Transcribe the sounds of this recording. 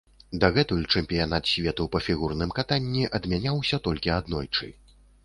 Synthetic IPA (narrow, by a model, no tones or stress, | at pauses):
d̪ɐɣɛt̪ujʲt͡ʂɛmʲpʲijanat̪sʲvʲɛt̪upɐfʲiɣurnɨmkat̪anʲːiʔɐd̪mʲanʲawsʲɐt̪ɔlʲkʲiad̪nɔ̰jt͡ʂɨ̰